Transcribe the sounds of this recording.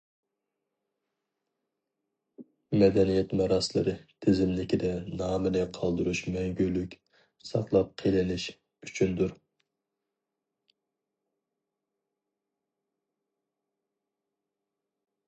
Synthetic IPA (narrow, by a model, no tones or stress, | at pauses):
mɛd̪ɛnijɛt̪mɑɾɑslˠɨɾɨt̪ʰɪzɪmlɪkʲid̪ɛnɑːmɨnɨqʰɑlˠd̪uɾuʃmɛŋɡʲylːykʲ | sɑ̰χlˠɑp̚qʰelɪnɪʃ | yt͡ʃʰynd̪uɾ